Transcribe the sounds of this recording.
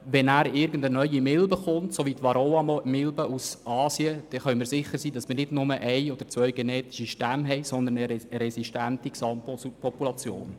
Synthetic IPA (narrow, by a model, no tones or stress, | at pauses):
ʋɛnæːɾɪɾɡən̩dənœʏimɪlbəχʊntsoʋit̪ʋɑɾoɑmɪlbəusɑːsiəd̥ɛχœʏmɪːɾsɪχːəɾsiːdɑsmɪrnɪdnʊməʔɛɪɔd̥əɾt͡sʋœʏɡeneːt̪i̥ʃiʃtæmɦɛɪsɔnd̪ənəɾɛsiʃtæntiksɑppʰɔpulɑt͡sjo̰ːn